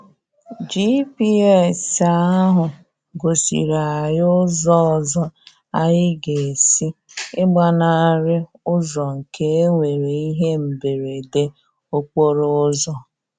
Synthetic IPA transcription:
d͡ʒi˦pi˦ɛ˦˨sa˦a˦ɦʊ˨ | ɡo˨sḭ˨ɾa˨a˨jʊ˦zɔ˦ɔ˨zɔ˦ | a˦jɪ˦ɡe˨e˨si˦ɪ˦ɡ͡ba˦na˦˨˦ɾɪ˦ | ʊ˦zɔ˨ŋ̩˨kʰe˦e˦ŋʷe˨ɾe˨i˦ɦe˦m̩˨be˨ɾe˨de˦ | o˦k͡po˦ɾʊ˦zɔ˨

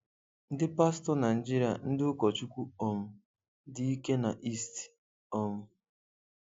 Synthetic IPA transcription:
n̩˦dɪ˦pa˦stɔ˦na˨d͡ʒi˦ɾi˨a̰˨n̩˦dɪ˦ʊ˦kɔ˨t͡ʃu˦kʷu˦ɔ˨m̩˨ | di˦i˦ke˦na˨ʔi˦st | ɔ˦mʊ˨

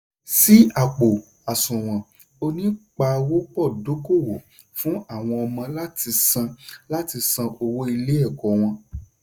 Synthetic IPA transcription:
si˦a˨k͡po˨ | a˨sũ˨w̃ɔ̃˨ | o˧nĩ˦k͡pa˧wo˦k͡pɔ˦˨do˨˦ko˦˨wo˨ | fũ˨˦a˦˨w̃ɔ̃˧ɔ˧mã˧la˦ti˧sã˧la˦ti˧sã˧ʔo˧wo˦i˧le˦ɛ˦˨kɔ˨w̃ɔ̃˧

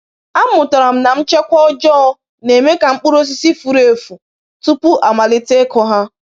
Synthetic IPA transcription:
a˦m˦ʊ˨ta˨ɾa˨m̩˦na˨m̩˦t͡ʃe˦kʷɔ˦ɔ˦d͡ʒɔ˦ɔ˦ | ne˨me˦ka˨ŋ͡m̩˦k͡pu˦ɾo˦s̬i˦si˦fu˨ɾe˨fu˨ | tu˦pʊ˦ʔa˨ma˨lɪ˦te˦kɔ˦ɦa˦

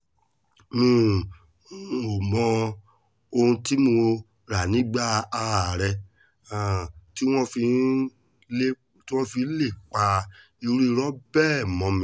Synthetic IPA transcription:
mĩ˦˨˦ | o˨mɔ̃˧ | o˧hũ˧ti˦mo˧ | ɾa˨nĩ˦ɡ͡ba˦a˧ɾa˨ɾɛ˧ | a˨ti˦w̃ɔ̃˦fi˧˦ | le˦ | ti˦w̃ɔ̃˦fĩ˧˦le˦˨k͡pa˧ | i˧ɾi˦˧ɾɔ˦bɛː˦˨mɔ̃˨˧mĩ˨

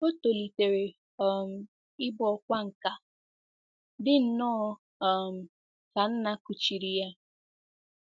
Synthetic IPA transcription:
o˦to˨li˨te˨ɾe˨ | ɔ˦˨m̩˨ | ɪ˦bɔ˨kʷa˦ŋ̩˨ka˨ | dɪ˦n̩˨nɔ˦˨ | m̩˨ | ka˨n̩˦na˦ku˨t͡ʃi˨ɾi˨ja˦

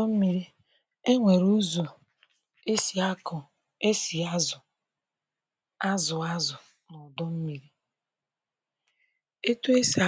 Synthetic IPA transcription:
m̩˦mi˦ɾi˦ | e˦ŋʷe˨ɾu˦zu˨ | e˦sa˦kʊ˨ | e˦si˨a˦zʊ˨ | a˦zʊ˨a˦zʊ˨ | nʊ˨dɔ˦m̩˦mi˨ɾi˦ | e˦tu˦e˦sa˨

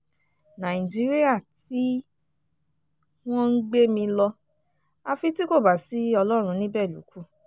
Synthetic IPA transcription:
nã˨ĩ˨d͡ʒi˦ɾi˦a˦˨ti˨˦ | w̃ɔ̃˦n̩˦ɡ͡be˦mĩ˧lɔ˧ | a˧fi˧ti˦ko˦˨ba˨si˨˦ɔ˧lɔ˦ɾ̃ũ˧nĩ˦bɛ˦˨lṵ˨˦ku˦

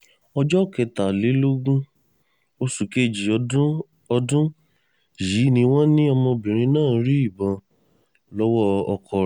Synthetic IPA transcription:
ɔ˧d͡ʒɔ˦˨kɛ˨ta˨le˨˦lo˦ɡũ˦ | o˧su˨ke˨˦˨d͡ʒi˨ũ˦ | ɔ˧dũ˦ | ji˨˦nĩ˧w̃ɔ̃˦nĩ˦ɔ˧mɔ̃˧bĩ˨ɾ̃ĩ˧nãː˦˨˧ɾi˦i˦˨bɔ̃˧ | lɔ˦wɔ˦ɔ˧kʰɔ˧

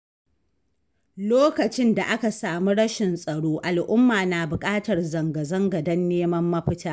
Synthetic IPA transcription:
loː˦kɐ˨t͡ʃɪ˦nda˨ʔa˦ka˨saː˨mu˦ɽɐ˦ʃɪ˨nsʼɐ˨ɽoː˦ʔa˨lʔʊ˦mːaː˨naː˨bʊ˨kʼaː˦tɐ˨rzɐ˨ŋɡɐ˨zɐ˦ŋɡɐ˨dɐ˦nːeː˦mɐ˦mːɐ˦ɸɪ˦taː˦

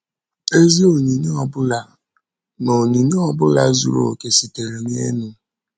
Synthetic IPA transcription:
e˦ze˦o˨ɲi˨ɲe˦ɔ˨bʊ˦la˨ | nɔ˨ɲi˨ɲe˦ɔ˦bʊ˦la˨zu˨ɾo̰˨ke˨si˨te˨ɾe˨ɲ˦ḛ˦nu˦

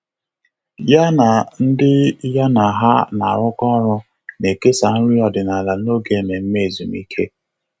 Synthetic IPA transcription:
ja˦na˨n̩˦dɪ˦ja˦na˨ɦa˦na˨ɾʊ˦kɔ˦ɾʊ˦ | ne˨ke˦sa˨n̩˦ɾi˦ɔ˨dɪ˨na˨la˨no˦ɡe˨˦˨ne˨m̩˦me˦˨zu˨mi˦kʰe˦

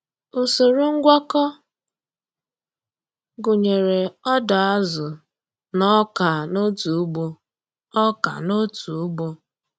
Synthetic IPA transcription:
ʊ˨so˨ɾu˦ŋ̩˦ɡʷɔ˦kɔ˦ | ɡʊ˨ɲe˨ɾe˨ɔ˦da˨a˦zʊ˨ | nɔ˦ka˨no˦tu˨˦ɡ͡bo˦ | ɔ˦ka̰˨no˦tu˨u˦ɡ͡bo˦

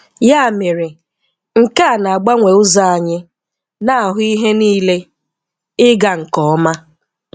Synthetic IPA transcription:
ja˦a˨mɪ˨ɾɪ˨ | ŋ̩˨ka˦a˨na˨a˨ɡ͡ba˦ŋʷe˨ʊ˦za˦a˨ɲɪ˦ | na˦a˨ɦʊ˦i˦ɦe˦niː˦le˦ | ɪ˦ɡa˨ŋ̩˨kɔ˨˦ma˦

